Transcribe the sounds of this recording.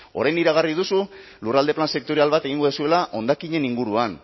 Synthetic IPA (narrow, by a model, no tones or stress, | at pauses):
o̞̰ɾajniɾaɣariðusu | lurald̪e̞planse̞k̚t̪oɾialβat̪e̞ɣiŋɡo̞ðosue̞laʔo̞nd̪akiɲe̞niŋɡuɾuan